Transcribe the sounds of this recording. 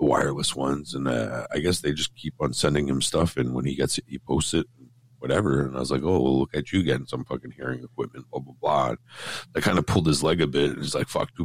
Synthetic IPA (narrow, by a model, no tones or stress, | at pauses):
ðəwa̰ɪə˞lˠəswʌ̃nzə̃nʌ̰a̰ɪɡɛsðeɪd͡ʒʌskʰipn̩sɛ̃ndɪ̃ŋɨ̃mstʌfɨ̃nwə̃niɡɛtsɨt̚hipʰoʊstsɨɾ̚n̩ | wʌɾɛvə˞ɨ̃naɪʌzlaɪkoʊwɛ̰lʊkɨt͡ʃɨɡɛ̃n̩sʌ̃mfʌkɨ̃nhiɹɪ̃ŋɨk̚ʰw̥ɪp̚mɨ̃ntʌbəblɑ̰nɨt̚kʰãɪ̃ndəpʰʊlˠd̪̚ɨzlɛɡɨbɪɾɨ̰̃niz̥laɪkfʌ̰k̚tʰɨ